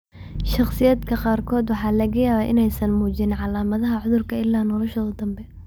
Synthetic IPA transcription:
ʃɑχsɪjaːd̪kʰɐqɑːrkʰɔːd̪wɑħɑːlɐɣɐjaːβaːʔɪnɛjsɐnmuːd͡ʒɪnʕɑlaːmɐðɐɦɐʕʊðʊrkʰɐɪlːaːnɔlɔʃɔːðɐd̪ɐmbɛ

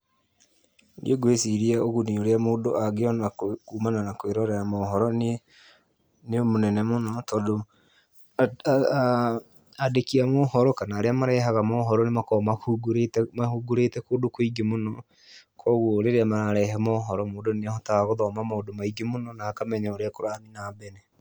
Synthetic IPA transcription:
dḭoɡwesiɾiaoɣunioɾeamoːdoʔaɡeɔnakuːmananakweɾɔɾɛɾamɔɦɔɾɔn | neomonɛnɛmonɔtɔːdo | adekiamɔhɔɾɔkanaːɾeamaɾɛːɦaɣamɔɦɔɾɔnemakɔmahuɡɾetmahuɡoɾetɛkoːdokoiɡemonɔ | kʰɔːɣwoːɾeɾeamaɾaɾɛɦɛmɔɦɔɾɔmoːdonenahɔtaaɣoðɔmamaodomaiɡemonɔnaːkamɛɲaoɾeakoɾaninabɛnɛ

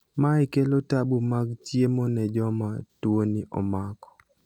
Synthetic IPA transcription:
maɪkelotabumaɡtjemɔnɛd͡ʒɔmatwoniʔɔ̰makɔ̥

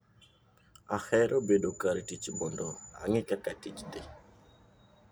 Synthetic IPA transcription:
axɛɾʔobedokaɾetit͡ʃbɔndɔa̰ŋɪkakatit͡ʃdɪ

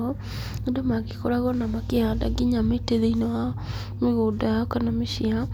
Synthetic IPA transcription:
ɔ | edɔmakikɔɾaɣɔnamakeadaɡiɲameteðeinɔa | miɣodajɔkanamiʃia

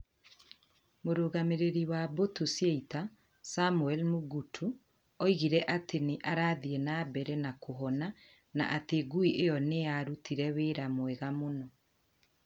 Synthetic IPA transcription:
moɾoːɣameɾeɾiwabotusjeita | samuɛlmuɡutʰu | ɔiɣiɾɛʔatʰeneʔaɾaːðienaːbɛɾɛnakoɦɔna | na̰ʔateɡuiʔejɔneaɾutʰiɾɛweɾamwɛɣamonɔ

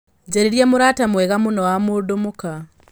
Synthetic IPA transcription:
ɟeɾiɾjemuɾaːtamweɣamunowamudumuka

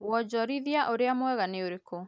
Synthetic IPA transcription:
wɔd͡ʑɔɾiðiaʔoɾeamwɛɣaneoɾeko

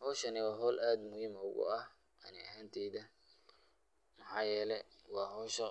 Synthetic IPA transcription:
hɔːʃɐnɪwɑːɦɔːlʔaːd̪mʊhiːmʊɣʊ̰ɐh | ʔɐ̰nɪɐɦaːnt̪ʰɛːðɐ | mɑħɑːjɛːlɛwɑːɦɔːʃɐ

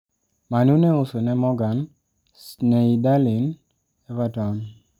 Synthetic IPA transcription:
manuneʊsonɛmɔɡan | sneidalin | ɛvatɔn

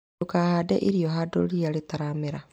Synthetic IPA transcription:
okahaːdɛ̰ʔiɾijɔɦado̰ɾiaɾetaɾameɾa

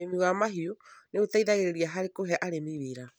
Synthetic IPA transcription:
emiɣamaɦiuneutaiðaɣeɾeɾiaɦaɾekoɦɛʔaɾemiwiɾa

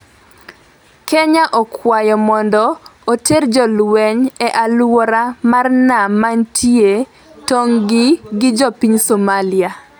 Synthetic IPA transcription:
keɲaʔɔkwajɔmɔndɔoterd͡ʒɔlwɛɲɛʔalwɔɾamarnamantʰje | toŋɡɪɡɪd͡ʒɔpiɲsomalɪa

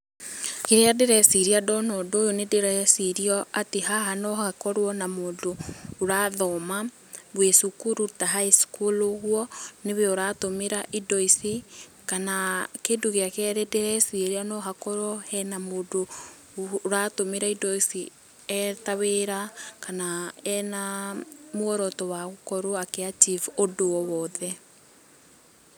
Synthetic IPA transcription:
keɾeadeɾɛsiɾiadɔnɔdoːjonedeɾasiɾiɔateɦaɦanɔhakɔɾwɔnamoːdoːɾaːðɔma | βwesukuɾutaɦaeskolohwɔneβeoɾaːtomeɾaʔidɔisi | kanakedoɣeakɛɾɛdɛɾɛsieɾeanɔɦakɔɾɔhɛnamoːdo | ɾatomeɾaidɔisi | ɛtaβeɾakanaɛnamoɔɾɔtɔwaɣokɔɾoakeat͡ʃifodoɔwɔðɛ

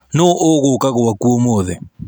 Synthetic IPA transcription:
noʔoɣʊkaɣowakuomoðɛ

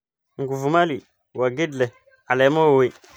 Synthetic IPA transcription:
ŋɡuvumali | waɡidle | alamowwi

